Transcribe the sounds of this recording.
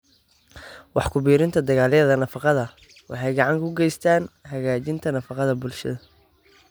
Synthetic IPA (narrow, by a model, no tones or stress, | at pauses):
wɑħkʰʊbiːɾɪnt̪ʰɐd̪ɐɣaːlɛðɐnɐfɑqɑðɐ | wɑ̰ħɑjɡɑʕɑŋkʰʊɡɛjst̪ʰaːnɦɐɣaːt͡ʃɪnt̪ʰɐnɐfɑqɑðɐbʊlʃɐ̰ðɐ